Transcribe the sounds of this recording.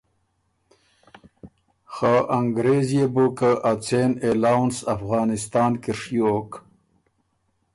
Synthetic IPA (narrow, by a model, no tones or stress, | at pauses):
xaʔɐŋɡɾezjebukaʔat͡sʰeːnelaːwnsɐfɣɑːnist̪aːnkiʂjooːk